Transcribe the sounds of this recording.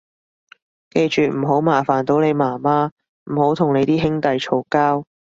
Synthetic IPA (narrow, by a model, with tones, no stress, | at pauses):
ke˧jt͡ʃyː˨m̩ː˨˩ɦo˨˥wmaː˨˩faː˨˩nt̪o˨˥wne˨˧jmaː˨˩maː˥ | m̩˨˩ho˨˥wt̪ʰʊ˨˩ŋne˨˧jt̪iː˥ɦɪ˥ŋt̪ɐ˨jt͡ʃʰo˨˩wkaː˥w